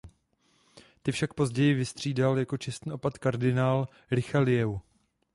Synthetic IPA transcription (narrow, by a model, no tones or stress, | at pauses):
t̪ɪfʃakpo̞zɟɛjɪvɪst̪r̝̥iːdaljako̞t͡ʃɛst̪n̩iːo̞pat̪kaɾdɪnaːl | ɾɪxalɪjɛw